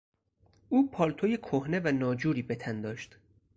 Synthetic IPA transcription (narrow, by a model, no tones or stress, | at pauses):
ʔuːpʰɒːlt̪ʰojekʰohne̞vænɒːd͡ʒuːɾiːbe̞t̪ʰænd̪ɒːʃt̪